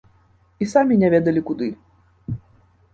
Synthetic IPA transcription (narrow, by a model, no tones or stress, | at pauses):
isamʲinʲɛvʲɛd̪ɐlʲikud̪ɨ